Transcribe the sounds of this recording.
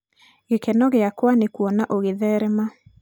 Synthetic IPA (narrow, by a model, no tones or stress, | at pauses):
ɣekɛnɔɣeakwanekuɔnaʔoɣeðɛɾɛma